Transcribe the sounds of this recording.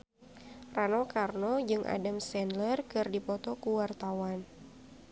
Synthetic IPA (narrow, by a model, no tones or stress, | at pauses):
ranɔkarnɔd͡ʒɨŋʔa̰damsɛnlərkɨrdipɔt̪ɔkuwart̪awan